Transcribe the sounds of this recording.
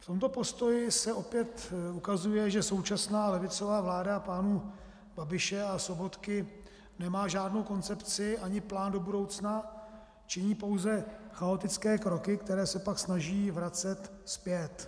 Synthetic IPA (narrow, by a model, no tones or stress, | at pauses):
ft̪o̞mt̪o̞po̞st̪o̞jɪsɛʔo̞pjɛt̪ukazujɛʒɛso̞wt͡ʃasnaːlɛvɪt͡so̞vaːvlaːdaːpaːnu | b̥abɪʃɛaso̞bo̞t̪kɪ | nɛmaːʒaːdno̞wko̞nt͡sɛpt͡sɪʔaɲɪplaːndo̞budo̞wt͡sna | t͡ʃɪɲiːpo̞wzɛxao̞t̪ɪt͡skɛːkɾo̞kɪkt̪ɛɾɛːsɛpaksnaʒiːvɾat͡sɛt̪ | spjɛt̪